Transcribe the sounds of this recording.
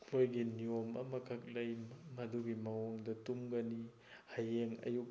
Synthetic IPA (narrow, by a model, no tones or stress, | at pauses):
kʰojɡiniomɐ̰mɐkʰɐk̚lɐjmɐduɡimɐwɔŋdɐtumɡɐni | hajeŋɐ̰juk̚